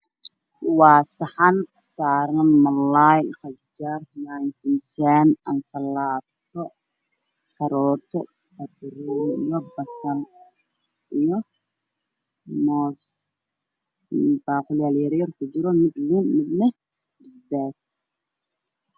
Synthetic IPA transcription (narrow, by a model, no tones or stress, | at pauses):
wɑːsɐħɑn | saːɾɐnmɐlajqɐd͡ʒarmaːnsɪmsanɐnsɐlaːt̪ʰɔ | kʰɐɾɔːt̪ʰɔ̰ | bɐd̪runḭjɔbɐsɐn | ʔijɔ | mɔːs | baːqʊlaːljɛɾjɐrkʰʊt͡ʃɪɾɔmɪd̪lɪnmɪd̪nɐ | ɪsbɛːs